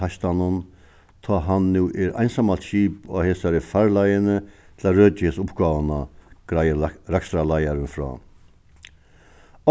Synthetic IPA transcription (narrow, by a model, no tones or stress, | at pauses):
ast̪anʊn | t̪ʰɔːɦanːuːʔɛɾʔa̰jnsamat̪ʃiːpa̰heːsaɾɪfaɾlajənət̪ʰɪlaɾøːt͡ʃɪhesʊpɡaːʋənaɡ̥ɾaɾakst̪ɾalajaɾɪnfɾɔ̰ː